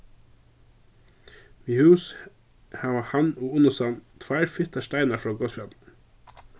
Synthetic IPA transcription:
miːhʉːs | hɑːʋəhɑnoːʊnʊsɑnt̪ʰʋæɪɾfɪt̪ɑʃt̪æɪnɑfɹɑːɡɔsfɑt̪l

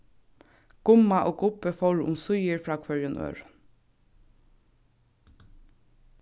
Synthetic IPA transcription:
ɡ̥ʊmaʔoːɡʊpəfɔɾʔʊ̰msʊjəɹfɹɑːkʰʋœɹjʊnʔø̰ːɹ

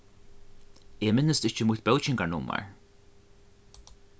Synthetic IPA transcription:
eːmɪnːəst̪ɪht͡ʃəmʊht̪̚bɛlt͡ʃɪŋkanʊma̰ɹ

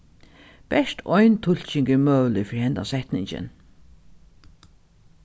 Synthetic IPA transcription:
bɛʂt̪ʰɔjnt̪ʰʊl̥t͡ʃɪŋkɪmœːwlɪfɪɾhɛnt̪a̰sɛht̪nɪɲt͡ʃɪ̰n

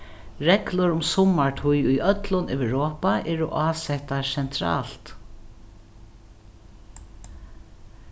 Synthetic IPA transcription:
ɹɛklʊɾʊmsɔmaɹʈʰʊjʊjʔœt̪lʊnœʋɹoːpaʔɛːɹʊʔaːsɛht̪asɛnt̪ʰɾa̰ːlt̪

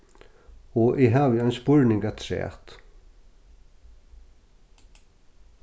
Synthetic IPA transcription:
ɔʔɪɦavjajnspʊɹnɪŋkat̪ʰɾɛ̰ːt̪

